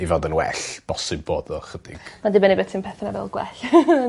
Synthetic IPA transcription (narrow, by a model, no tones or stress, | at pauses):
ivɔndənwɛ̰ɬb̥ɔsɪbboːdɔχəd̥ɪ̰ɡ̥madɪbɛnibɛtʰinmpʰɛθnavɛ̰lˠɡwɛ̰ɬ